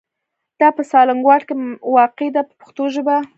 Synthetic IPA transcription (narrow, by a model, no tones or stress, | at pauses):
d̪̥ɑpəsɑlaŋɡwɑʈkewɑqed̪apəpə̥xt̪oʒəba